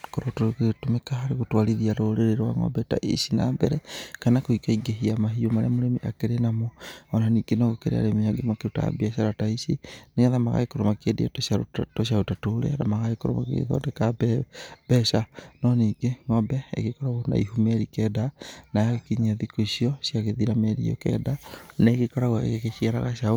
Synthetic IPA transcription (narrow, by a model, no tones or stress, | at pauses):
koɾotoɾekotomekahaɾeɣotwaliðiaɾoɾeɾeɾwa̰ŋɔ̰bɛta̰ʔḭsina̰ːbɛɾɛkanakoikaiɡeɦiamaɦiomaɾḛamoɾemiʔakeɾenamoɔnaniːɡenɔɣokeɾḛa̰ɾemiaɡemakeota̰biaʃaɾataisineɣaðamaɣa̰ɣekoɾomakedḭa̰toʃaotoʃ̬aotatoɾḛaðamaɣaekoɾomakḛðɔ̰deka | b̥ɛʃanɔniːɡeŋɔbɛḛɣekɔɾaɣona̰ḭɦumɛɾikɛdanaaɣekiɲaðikoiʃiɔsiaɣeðiɾameɾḭɔ̰kɛ̰daneɣekɔɾaɣoḛɣekeʃiaɾaɣaʃao